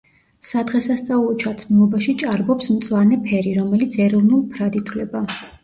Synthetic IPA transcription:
sad̪ʁɛsast̪sʼaulˠɔt͡ʃʰat̪sʰmulˠɔbaʃit͡ʃʼaɾbɔpsmt̪sʼlanɛpʰɛɾiɾɔmɛlit̪sʰɛɾɔvnulˠpʰɾad̪it̪ʰwlɛba

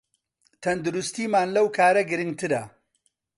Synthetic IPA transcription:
t̪ʰɐnd̪uɾust̪iːmaːnlɐwkʰaːɾɐɡɨɾɨŋɡt̪ɨɾɐ

